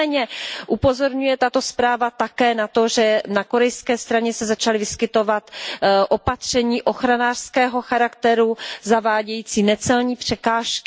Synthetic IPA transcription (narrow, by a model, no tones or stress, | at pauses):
ɛɲɛʔupo̞zo̞ɾɲujɛt̪at̪o̞spɾaːvat̪akɛːnat̪o̞ʒɛnako̞ɾɛjskɛːst̪ɾaɲɛsɛzat͡ʃalɪvɪskɪt̪o̞vat̪ʔo̞pat̪r̝̥ɛɲiːʔo̞xɾanaːr̥skɛːɦo̞xaɾakt̪ɛɾuzavaːɟɛjiːt͡siːnɛt͡sɛlɲiːpr̝̥ɛkaːʃkɪ